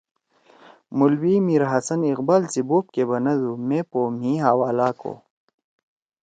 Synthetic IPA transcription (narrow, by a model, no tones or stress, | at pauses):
mulwiːmiɾɦɐsɐniqbaːlt͡siboːp̚kebɐnɐd̪umẽpoːm̤ĩɦaːwaːlaːko̰ː